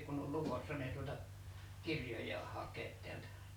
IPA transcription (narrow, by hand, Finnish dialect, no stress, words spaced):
kunː ol lukosːɑ ni ei tuotɑ kirjojʲɑːh hɑkʲeːt tiæltæ